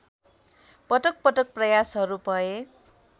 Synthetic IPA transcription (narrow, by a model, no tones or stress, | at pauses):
pʌʈʌk̚pʌʈʌk̚prʌjasɦʌɾubʱʌe